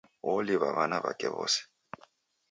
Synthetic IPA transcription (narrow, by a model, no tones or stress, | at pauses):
wɔliβaβanaβakʼɛβɔ̰ːsi̥